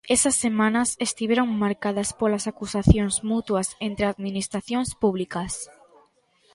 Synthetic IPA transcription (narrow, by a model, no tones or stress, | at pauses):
esɐsːemãnɐsest̪iβeɾoŋmaɾkaðɐspolɐsakusaθjoŋzmut̪wɐsent̪ɾɪaðminist̪ɾaθjõŋspuβlikɐs